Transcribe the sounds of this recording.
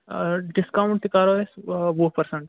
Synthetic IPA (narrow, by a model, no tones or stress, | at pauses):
ɖɪskawɳʈ̚t̪ikaːɾoːesʋopɐɾsəɳʈ